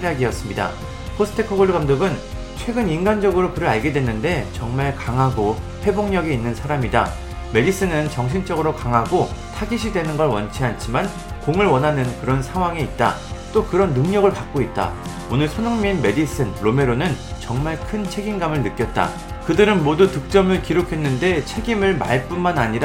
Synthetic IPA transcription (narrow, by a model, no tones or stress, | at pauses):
ɾjaɡijʌs͈ɯmɲida̰ | pʰosʰɯ̥tʰe̞kʰoɡoɾɯɡamdoɡɯn | t͡ɕʰwe̞ɡɯninɡand͡ʑʌɡɯɾokɯɾɯɭaɭɡe̞dwe̞nːɯnde̞t͡ɕʌŋmaɭkaŋɦaɡo | ɸwe̞boŋɲʌɡiinːɯnsʰaɾamida̰ | me̞dis͈ɯnɯnt͡ɕʌŋɕʰint͡ɕ͈ʌɡɯɾokaŋɦaɡotʰaɡiɕ̬ʰidwe̞nɯnɡʌɭwʌnt͡ɕʰiant͡ɕʰiman | koŋɯɭwʌnɦanɯnkɯɾʌnsʰaŋwaŋeit̚t͈a̰t͈okɯɾʌnːɯŋɲʌɡɯɭpak̚k͈oit̚t͈a̰ | onɯɭsʰʌnoŋminme̞dis͈ʰɯnɾome̞ɾonɯnt͡ɕʌŋmaɭkʰɯnt͡ɕʰeɡinɡamɯɭnɯk͈jʌt̚t͈a̰ | kɯdɯɾɯnmodutɯk̚t͡ɕ͈ʌmɯɭkiɾokʰe̞nːɯnde̞t͡ɕʰe̞ɡimɯɭma̰ɭp͈unmanaɲiɾ